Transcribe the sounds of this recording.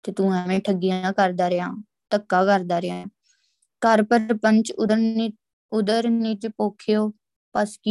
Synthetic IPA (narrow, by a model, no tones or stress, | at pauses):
t̪eːt̪ũːɛmɛ̃ːʈʰəɡːijaãːkəɾd̪aːɾeã̰ː | t̪əkːaːkəɾd̪aːɾeãː | kəɾpəpəɲt͡ʃ | ʊd̪əɾnɪd͡ʒpoːkʰɪjoː | pəski